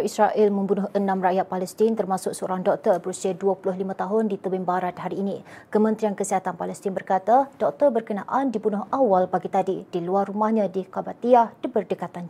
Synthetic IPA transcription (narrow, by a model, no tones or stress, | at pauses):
israʔɪlmə̃mbunʊhʔənãmrajat̪̚palɛst̪int̪ərmasʊk̚səoɾaŋdɔk̚t̪ərbəɾusiaduəpulʊɦlimãt̪aɦʊndit̪əbɪmbaɾat̪̚ɦaɾiːnĩkəmə̃nt̪ɾiankəsiɦat̪anpalɛst̪inbərkat̪ad̥ɔk̚t̪ərbərkənaʔandibunʊɦawalbaɡit̪adidiluarːumahɲãdikabat̪iahdəbərdəkat̪an